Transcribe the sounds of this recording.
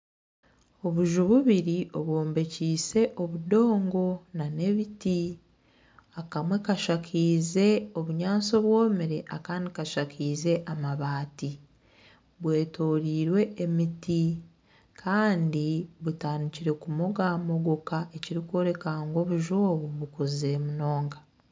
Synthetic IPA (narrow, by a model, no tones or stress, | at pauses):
o̞βuʒuβuβiɾio̞βwo̞ːmbe̞ciːse̞ʔo̞βudo̞ːŋɡo̞nane̞βiti | akamwe̞kaʃakʰiːze̞o̞βuɲaːso̞βwoːmiɾe̞ʔakaːndikaʃakiːze̞ʔamaβaːti | βwe̞ːto̞ːɾiːɾwe̞ːmiti | kʰaːndiβutaːniciɾe̞kumo̞ɡaːmo̞ɡokaʔe̞ciɾikwo̞ːɾe̞kaŋɡo̞βuʒo̞ːβoβukozemuno̞ːŋɡa